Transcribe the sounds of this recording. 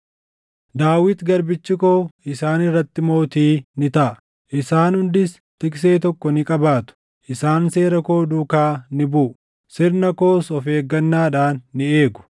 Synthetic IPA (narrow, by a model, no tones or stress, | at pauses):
d̪aːwɪt̪ɡɐɾbɪt͡ʃːɪkoːɪsaːnɪrːɐt̪ːɪmo̞ːt̪iːnɪt̪ɐʔ | ʔɪsaːnhʊnd̪ɪs | t̪ɪkse̞ːt̪ɔkːɔnɪkʼɐbaːt̪ʊ̥ | ʔɪsaːnse̞ːɾɐko̞ːd̪uːkaːnɪbʊːʔʊ | sɪɾnɐko̞ːsɔfe̞ːɡːɐnːaːᶑaːnːɪe̞ːɡʊ̥